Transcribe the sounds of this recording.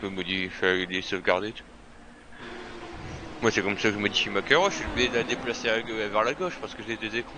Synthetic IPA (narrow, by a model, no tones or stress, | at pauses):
pøməd̪ifɛlesɔfɡaʁd̪et̪u̥ | mwasɛkɔmsakəʒəməd̪iʃimakʲɛʁwaʃʃibid̪ed̪lad̪eplaseavɛʁlaɡɔʃpaʁsə̥kəʒeled̪øzekχɑ̃